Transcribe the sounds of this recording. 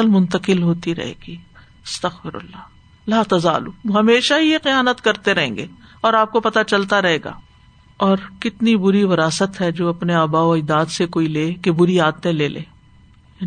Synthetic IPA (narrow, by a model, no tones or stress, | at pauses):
əlmʊ̃nt̪əqɪlɦoːt̪iɾɐ̰ɦḛːɡiː | ɐst̪ɐxfɪɾɐ̰lːaː | laːt̪ɐza̰ːlṵɦɐmeːʃaɦijexɪjaːnət̪kɐɾt̪eɾɐɦẽːŋɡeːɔːɾaːp̚kopɐt̪at͡ʃɐlt̪aɾɐɦeːɡa̰ː | ɔːɾkɪt̪nibʊɾiʋɐɾaːsət̪ɦɛd͡ʒoːɐpneaːbaːoɪjd̪aːd̪sekoːileːkebʊɾiaːd̪t̪ẽleːlḛː